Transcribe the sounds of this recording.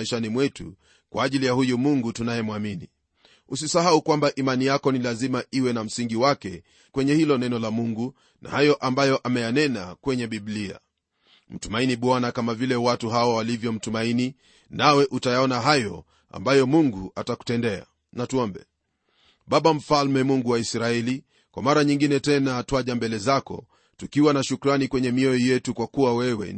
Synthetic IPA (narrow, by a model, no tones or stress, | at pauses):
ɛʃanimwɛtu | kwʔaːʄilijahujumuŋɡutunajɛmwamini | usisaɦaukwambaʔimanijakɔnilazimaʔiwɛnam̩siŋɡiwakɛ | kwɛɲɛhilɔnɛnɔlamuŋɡu | na̰hajɔʔambajɔʔamɛjanɛnakwɛɲɛɓiɓlia̰ | m̩tumainiɓwanakamavilɛwatuɦawawalivjɔm̩tumaini | nawɛʔutajaɔnaɦajɔ | a̰mbajɔmuŋɡuʔataku̥tɛndɛa̰ | natuɔmbɛ̰ | ɓaɓam̩falmɛmuŋɡuwaisɾaɛli | kwa̰maɾaɲiŋɡinɛtɛnatwaʄambɛlɛzakɔ̰ | tukiwanaʃukɾanikwɛɲɛmiɔijɛtukwakuwawɛwɛ̰